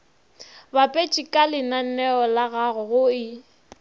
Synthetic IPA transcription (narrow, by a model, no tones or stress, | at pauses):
bapʼet͡ʃʼɪkʼalɪnan̩nɛɔlaɣaɣʊɣʊɪ